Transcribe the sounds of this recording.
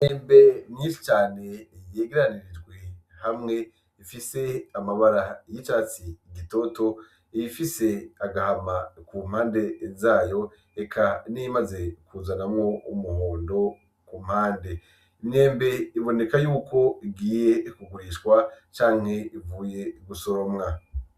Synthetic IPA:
ineːmbe̞niːʃi̥t͡ʃaːne̞jeːɡeɾaniɾid͡ʒɡwe | hamŋe̞ | ifise̞amaβaɾajit͡ʃaːt͡siɡito̞to̞ | iifise̞aɡahamakumhaːnde̞zaːjo̞ | ekʰaniimaze̞kuzanamŋo̞ʔumuɦoːndo̞ | kum̥haːnde̞ | imne̞ːmbe̞iβo̞ne̞kajuːkʰo̞iɡiːje̞kuɡuɾiʃkwat͡ʃaːŋ̥he̞ivuːje̞ɡuso̞ɾomŋa

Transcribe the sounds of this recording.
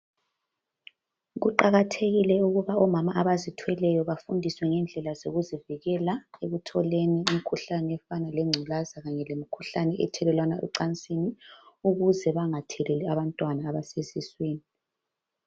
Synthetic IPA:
ɣuǃaɣatʰeɣilɛuɣuβaɔmamaʔaβazitʰwɛlɛjɔβafundʱiswɛŋɛnd͡ɮʱɛlazoɣuziviɣɛlaeɣutʰɔleniimikʰuɬanɛɛfanalɛŋ͡ǀʱulazaɣaɲɛlemikʰuɬanɛʔɛ̰tʰɛlɛlwanaʔɛ̰ǀant͡sʼiniuɣuzɛβaŋatʰɛlɛlɛaβantʼwanaːβasezisweːni

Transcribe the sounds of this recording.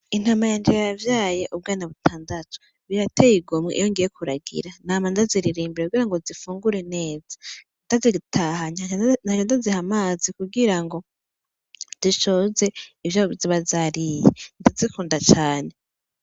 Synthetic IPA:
in̥hamajand͡ʒejajavjaːje̞ʔub̚ɡaːnaβutʰaːndatʰo̥ | βiɾatejiɡumŋeʔḭjoŋɡije̞kuɾaɡḭɾanamandaziɾiɾiːmbiɾekuɡiɾaŋɡozifuːŋɡuɾene̞ːzḁ | ndaziɡitʰahaɲanaɲondazihamaːzikuɡiɾaŋɡo̞ | d̥iʃo̞ze̞ivjoziβazaɾijḛndazikuːndat͡ʃaːne̞

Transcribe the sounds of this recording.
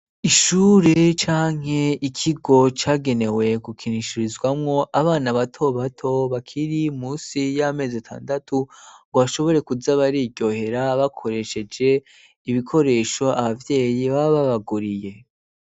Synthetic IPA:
iʃuːɾet͡ʃaːŋ̥he̞ikʰiɡo̞t͡ʃaːɡe̞ne̞we̞kukʰiniʃiɾizɡwamŋo̞ʔaβaːnaβatʰo̞βatʰo̞βakʰiɾimuːsijame̞ːzatʰa̰ːndatʰuɡwaʃo̞βo̞ɾe̞kuzaβaɾiɾɟo̞he̞ɾaβakʰo̞ɾe̞ʃe̞d͡ʒe̞ | iβikʰo̞ɾe̞ːʃo̞ʔaβavje̞ːjiβaβaβaɡuɾije̞

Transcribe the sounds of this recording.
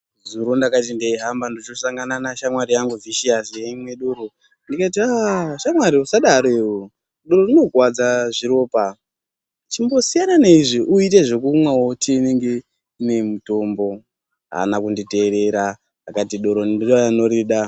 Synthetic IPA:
zuɾondakat̬indeiɦambandot͡ʃosaŋɡananaʃamwaɾijaŋɡuviʃiazjeimwe̞ɗoɾo | ndikatiaːʃamwaɾiusaɗaɾoewo | ɗo̞ɾo̞rino̞ɡwad͡zaʐiɾo̞ːpa | t͡ʃimbo̞sijananeiʐiʔuit̬eʐe̞kumwawotʰineŋɡe̞ | ne̞muto̞mbo̞ | ɦa̰nakundite̞ɾe̞ɾa | akatiɗo̞ɾonidojanoɾiɗa

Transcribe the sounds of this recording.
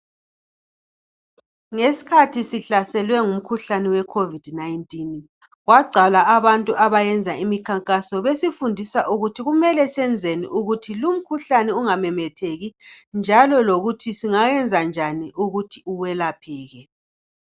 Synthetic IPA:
ŋesi̥kʰatʰisiɬasɛlwɛŋum̩kʰuɬanɛwɛkʰovid̥najntʼin | ɣwaɡ͡ǀʱalaaβantʼuʔaβajɛnd͡zʱaimikʰaŋkʼasɔβesifundʱisaʔuɣutʰiɣumɛlɛsɛnd͡zʱenḭʔuɣutʰilum̩kʰuɬanɛuŋamɛmɛtʰeɣind͡ʒʱalɔloɣutʰisiŋaɣɛnd͡zʱand͡ʒʱaniʔuɣutʰiuwɛlapʰɛːɣɛ

